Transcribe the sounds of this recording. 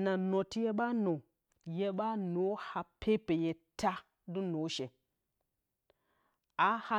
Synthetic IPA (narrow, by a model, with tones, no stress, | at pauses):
na˨no˨ti˦je˦ɓa˦no˨ | je˦ɓa˦no˨˦ha˨pʰe˦pe˨je˨ta˦ | du˦no˨˦ʃe˨ | a˦ha˦